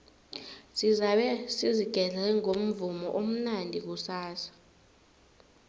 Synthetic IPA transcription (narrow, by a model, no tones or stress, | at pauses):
sizaɓɛsiziɡ̥ʱɛɮɛŋom̩vumɔʔom̩nandʱik̬usaːsḁ